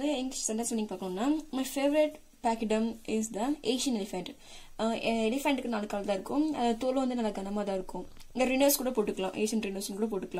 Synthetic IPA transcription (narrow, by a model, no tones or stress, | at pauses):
ɐðɯɪnsɐɳʈɐnsʋɐnːɪŋɡɐpaːɾkɐɳʊ̃nːaːmɐɪfeːʋɐɾɪʈ | paːkɪɖɐmɪsd̪ɐʔeːʃɪjɐnɛlɪfɛɳʈ | ɛlɪfɛɳʈɯkːɯnaːlɯkːaːlɐt̪ãɪɾɯkːʊ̃ɐ̰ðaːðɯt̪oːlɯ̃ʋɐnd̪ɯnɐlːɐɡɐnɐmaːðãːɪɾɯkːʊ̃ | ɪŋɡ̪ɐɾɪnɐɾskuːɽɐpoːʈːɯkːɐɭã̰ːʔḛːʃɐnɾɪnɐɾsɪnkuːɽɐp̬oːʈːɯkːɐlãː